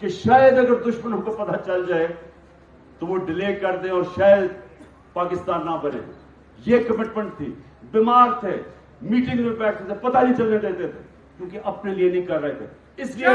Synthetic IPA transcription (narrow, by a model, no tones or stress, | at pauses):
keʃaːjəd̪əɡəɾd̪ʊʃmənõːkepɐt̪at͡ʃəld͡ʒaːe | t̪oːʋoːɖɪleːkəɾd̪ẽɔːɾʃaːjəd̪ | paːkɪst̪aːnːãːbəɾḛː | jeːkəmɪʈmə̃ɳʈ̚t̪ʰḭː | bɪmaːɾt̪ʰeː | miːʈɪ̃ŋɡzebɛːʈʰt̪ʰeːt̪ʰepɐt̪anĩt͡ʃəlnet͡ʃaĩd̪et̪ʰḛː | kjõːkeʔɐpnelienəĩːkɐɾːəet̪ʰḛː | ɪslie